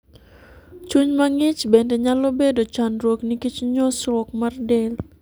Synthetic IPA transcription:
t͡ʃuɲmaŋit͡ʃbɛndɛɲalɔbɛdɔt͡ʃandɾɔknikit͡ʃɲɔsɾɔk̚mardɛl

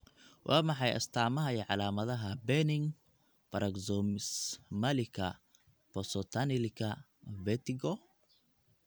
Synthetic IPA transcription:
wʔɑːmɑħɑjʔɐ̰st̪ʰaːmɐɦɐiːʕɑlaːmɐðɐɦɐbɛnɪŋ | bɐɾɐɡzɔmsmɐlɪkʰɐ | pɔsɔt̪ʰanilɪkʰɐ | vɛt̪iɡɔ

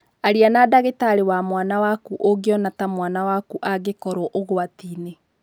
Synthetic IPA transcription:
aɾianadaɣetaɾewamwanawakuʔoɡeɔnatamwanawakuʔaɡekɔɾoʔoɣwatiːne

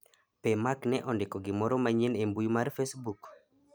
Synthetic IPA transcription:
pɛmaknɛʔɔndɪkɔɡɪmɔɾɔmaɲinembujumaɾfesbuk

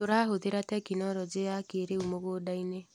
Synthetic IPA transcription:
oɾaɦoðeɾatɛkinɔɾɔd͡ʒeakeɾeumoɣoːdaine

